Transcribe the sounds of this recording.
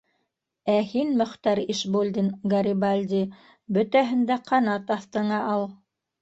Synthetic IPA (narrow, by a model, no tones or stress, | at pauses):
æhinmɵ̆χt̪ɑɾiʃbolʲd̪inɡɑɾibalʲd̪ʲi | bɵ̆t̪æɦɘ̆nd̪æqʰɑnɑt̪ɑθt̪ɤ̆ɴɑʔɑlˠ